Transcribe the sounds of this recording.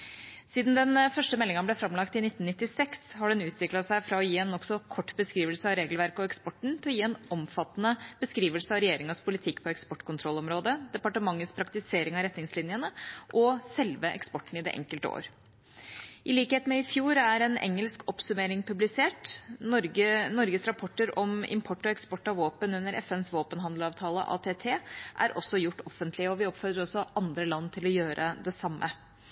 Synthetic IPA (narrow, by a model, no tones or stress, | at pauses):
siːd̪nd̪ɛnfœʂʈəmɛlːɪŋɑblɛfɾɑmlɑkt̪ɪnɪt̪nnɪt̪ːɪsɛkshɑɖɛnʉːt̪ʰʋɪklɑt̪sæɪfɾɑɔjiːɛnɔksɔkʰɔʈːbəskɾiːʋəlsəɑɾeːɡəlʋæɾkəɔɛkspɔʈːɳ̩t̪ʰɪlɔjiːɛːnʔɔmfɑt̪ːnəb̥əskɾiːʋəlsəɑʋɾɛjeːɾɪŋɑspʰʊlɪt̪ʰɪkːpʰɔɛkspɔʈːkʰʊnt̪ʰɾɔlːɔmɾoːd̪əd̪ɛpɑʈəmɑŋːət̪spʰɾɑk̚t̪ɪseːɾɪŋɑɾɛt̪nɪŋslɪnjənəʔɔsɛlʋəʔɛ̰kspɔʈːɳ̩ɪd̪ɛ̰ʔɛ̰ŋkəlt̪əo̰ːɾ | ʔɪliːkheːt̪mɛɪfjuːɾæɾɛnɛ̰ŋːəlskɔpsʉmeːɾɪŋpʰʉblɪseːʈ̪ɾɡənɔɾɡəsɾɑpʰɔʈːəɾɔmɪ̰mpʰɔʈːɔɛkspɔʈːɑʋoːpənʉnːəɾʔɛ̰fɛnsʋoːpənɦɑnd̪l̩ɑːʋt̪ʰɑːlə̰ʔɑ̰ːt̪ʰeːt̪ʰeːʔæ̰ɾʔɔsːɔjʊʈːɔfːənt̪ʰlɪəɔʋɪɔpfɔd̪əɾɔsːɔʔɑnd̪ɾəlɑnːt̪ʰɪlɔjøːɾʔə̰d̪ɛsɑmːə